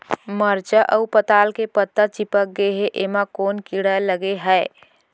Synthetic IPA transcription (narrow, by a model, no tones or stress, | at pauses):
məɾt͡ʃəʔəupət̪alkepət̪ːət͡ʃipək̚ɡeɦeʔemakonkiɽələɡeɦəe